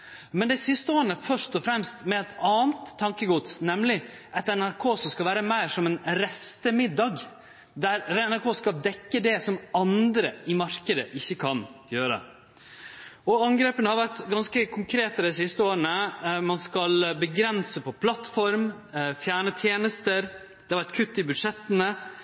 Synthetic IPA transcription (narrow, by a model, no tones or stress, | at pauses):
mɛnd̪ɛɪsɪst̪əoːɾənəfœʂt̪ɔfɾɛmst̪mɛɛt̪ɑːənt̪ʰːɑŋkəɡʊt̪snɛmlɪ | ʔɛt̪ɛnæɾkʰoːsɔmskɑlʋæːɾəmæɪʂɔmɛnɾɛst̪əmɪd̪ɑɡ | d̪æɾɛnæɾkʰoːskɑld̪ɛkːəd̪ɛsɔmɑnd̪ɾəɪmɑɾkəd̪əʔɪçːəkʰɑnjøːɾə̰ | ɔɑŋɡɾeːpənəhɑɾʋæʈɡɑnskəkʰʊŋkʰɾeːt̪əd̪ɛɪsɪst̪əoːɾəɳəmɑnskɑlbəɡɾɛnsəpʰɔpʰlɑt̪fɔɾm | fjæːɳət̪ʰjeːnəst̪əɾ | d̪̥ɛhɑʋæʈkʰʉt̪ːɪbʉd̪ʂɛt̪ːənə